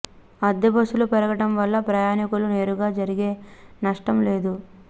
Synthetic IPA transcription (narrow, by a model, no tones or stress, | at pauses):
ɐd̪ːɐbɐʃulupɛɾɐɡɐʈɐmʋɐlːɐpɾɐjaːnikulune̞ːɾuɡaːd͡ʒɐɾiɡe̞ːnɐʂʈɐmle̞ːd̪u